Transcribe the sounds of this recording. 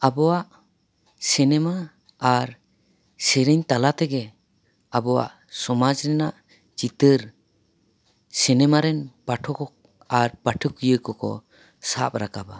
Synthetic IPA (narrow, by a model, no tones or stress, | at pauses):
abɔwaʔ | sinɛma | aɾ | sɛɾɛɲt̪alat̪ɛɡɛ | abɔwa̰ʔ | sɔmad͡ʒɾɛnaʔ | d͡ʒit̪əɾ | sinɛmaɾɛnpaʈʰɔkɔ | aɾpaʈʰəkujəkɔkɔ̰ | sap̚ɾakaba̰